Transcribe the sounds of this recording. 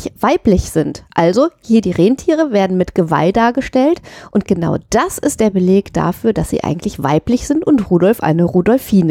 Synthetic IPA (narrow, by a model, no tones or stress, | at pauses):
v̥aɪplɪçz̥ɪntʔalzohiːɐdiːʁeːntʰiːʁ̞əveːɐdn̩mɪtɡ̥əva̰ldaːɐɡəʃtɛltʔʊntɡ̥əna̰ʊd̥asɪst̚d̥eːɐbəleːkd̥a̰fyːɐd̥asz̥ḭːʔa̰ɪɡŋ̩tʰlɪçv̥a̰ɪplɪçz̥ɪntʊntʁuːdɔlfʔa̰ɪnəʁuːdɔlfiːnə